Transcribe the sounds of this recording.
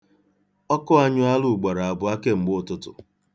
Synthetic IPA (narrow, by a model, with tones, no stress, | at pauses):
ɔ˦kɔ˦a˦ɲʊ˦a˦lʊ˨ɡ͡ba˨ɾa˨a˨bʊ˨˦a˦ke˦ŋ͡m̩˨ɡ͡btʊ˦tʊ̰˨